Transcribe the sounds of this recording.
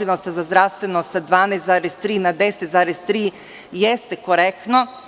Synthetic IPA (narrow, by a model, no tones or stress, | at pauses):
ɾinost̪azazd̪ɾaʋst̪ʋenost̪ad̪ʋaːneːst̪zaːɾest̪ɾiːnad̪eset̪zaːɾest̪ɾiː | jest̪ekoɾekt̪no